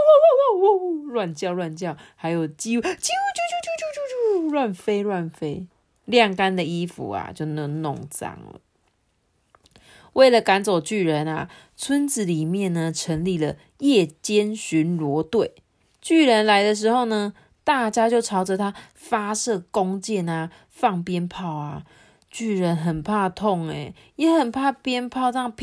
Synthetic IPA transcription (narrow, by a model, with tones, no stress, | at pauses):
ɻwa˥˧˨nt͡ɕjɑ˥˧ʊlwa˥˧nt͡ɕjɑ˥˨ʊha˧˥ɪjo˨˩ʊt͡ɕi˦wt͡ɕi˥wu˥˧t͡ɕu˥˧u˥˧t͡ɕu˥˩t͡ɕu˥˧t͡ɕu˥˧˥ɻwa˥˨nfe˥ɪɻwa˥˨˩nfe˥ɪ | ljɑ˥˨˩ŋka˦˥nd̪ə˨i˦˥fṵ˨˦a̰˨t͡ɕjo˥˩ʊnə˧˦ŋnʊ̰˥˨˩ŋt͡sa̰˨˩ŋlə̰˩ | we˥˩ɪlə˨ka˧˥nt͡so˨˩ʊt͡ɕy˥˩ɻə˧˦na̰˨ | t͡sʰwə˦˥nt͡sɹ̩˨˩li˨˩mjɛ˥˨nnə˩ʈ͡ʂʰə˧˦˥ŋli˥˩lə˨ | jɛ˥˩t͡ɕjɛ˥nɕy˧˦nɻwɔ˧˥˦t̪we˥˨˩ɪ | t͡ɕy˥˩ɻə˧˦nla˧˥ɪd̪ə˨˧ʂ̬ɻ̩˧˥xo˥˩ʊnə˧ | t̪a˥˧t͡ɕja˦˥t͡ɕjo˥˩ʊʈ͡ʂʰɑ˧˥ʊʈ͡ʂə˨t̪ʰa˦ | fa˦ʂɤ˥˨kʊ˦ŋt͡ɕjɛ˥˩na˩ | fɑ˥˨ŋpjɛ˦npʰɑ˥˨ʊa˩ | t͡ɕy˥˩ɻə˨˦nɦə˨˩npʰa˥˧t̪ʰo˥˨ŋɛ˨˩ | jɛ˨˦xə˨˩npʰa˥˧pjɛ˥npʰɑ˥˧ʊt͡sɑ˥˧ŋpʰ